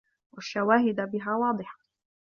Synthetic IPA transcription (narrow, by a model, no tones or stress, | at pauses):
wʔaʃːawaːɦɪd̪bɪɦaːwɑːd̪ˤɨħḁ